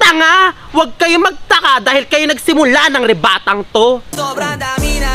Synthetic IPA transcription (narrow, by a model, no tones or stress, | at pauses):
t̪ɐŋa | wɐɡ̚kɐjomɐɡ̚t̪ɐkad̪aːhɪlkɐjonɐɡsɪmʊlanɐŋɾɛbaːt̪ɐŋt̪o